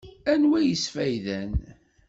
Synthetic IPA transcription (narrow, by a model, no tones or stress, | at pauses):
ænwæjəsfæjðæn